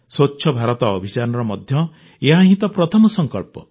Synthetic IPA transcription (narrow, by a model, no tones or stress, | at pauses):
sot͡ʃːʃʰɔbʱaɾɔt̪ɔːbʱit͡ʃaɾɔnɔɾɔmɔd̪ʱjɔ | eɦãɦĩt̪ɔpɾɔt̪ʰɔmɔsɔŋkɔɭpɔ